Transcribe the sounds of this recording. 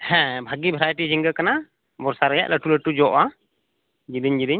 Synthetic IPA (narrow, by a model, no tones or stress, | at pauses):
hɛ̃bʱaɡibʱɛɾajʈid͡ʒiŋɡəkana | bɔɾsaɾɛja̰ʔləʈuləʈud͡ʒɔʔa | d͡ʒid̪iɲd͡ʒid̪iɲ